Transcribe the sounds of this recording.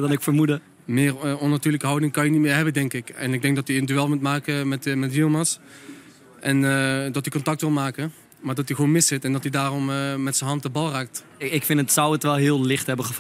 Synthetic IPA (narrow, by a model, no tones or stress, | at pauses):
dɑnɪkfəɹmudə | mɪːrɔnatyːɹləkəɦɑwdɪŋkɑnjənitmɪːɹɦɛbədɛŋkɪkɛnɪɡ̚dɛŋk̚dɔtiəndyɛlˠmutmaːkəmɛtmɛtʋilˠmas | ʔɛndɑtikɔntɑk̚tʋɪlˠmaːkə | maːɹdɑtiɣʋoːnmɪsɪtɛndɑtidaːrɔmːɛtsənɦɑntəbɑlˠraːk̚t | ɪkfɪnətsʌwətʋɛlˠɦɪːlˠlɪχtɦɛbəχəf